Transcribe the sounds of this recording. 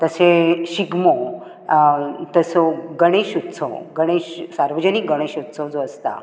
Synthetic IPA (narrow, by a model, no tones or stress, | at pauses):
t̪əseɕiɡmo | t̪əsɔɡəɽ̃eɕut̪ːsʰɔ̰ɡəɽ̃eɕsaɾʋəd͡ʑənik̚ɡəɽ̃eɕut̪ːsʰɔd͡zoəst̪a̰